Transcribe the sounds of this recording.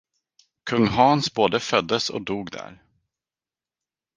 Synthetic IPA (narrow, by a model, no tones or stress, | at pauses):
kʰɵŋːɦɑːnsboːd̪əfœd̪ːəsɔ̰d̪uːɡd̪æ̰ɾ